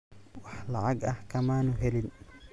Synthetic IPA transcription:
wɑħlɑʕɑɡɐhkʰɐmaːnʊɦɛlɪn

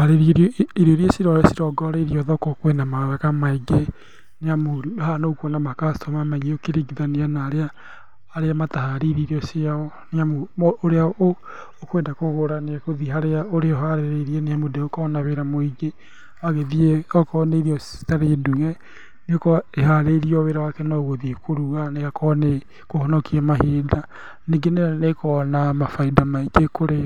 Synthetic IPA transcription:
aɾeɾiɾioɾiesiɾɔɾɛsiɾɔɡɔɾeɾiɔðɔkɔkwenamaɾakamaiɡe | neamoɾuhanokwɔnamakastɔmamaɲiokeɾeɡiðaneanaːɾeaː | ɾeamataɦaɾiɾiɾiɔsiaɔneamooɾeao | okweːndakoɣoɾaneɛkoðiɦaɾeaoɾeɔɦaɾeɾeɾiɛnejamodeokanaβeɾamoiɣe | aɣeðieakɔneɾiɔstaɾeduɣɛ | nekeɦaɾeɾiɔweːɾawakɛnɔɣoðiekʰoɾuɣaneɣakʰɔne | kohɔnɔkiɛmaɦeːda | neɡenenekʰɔnamafaidamaiɡekoɾe

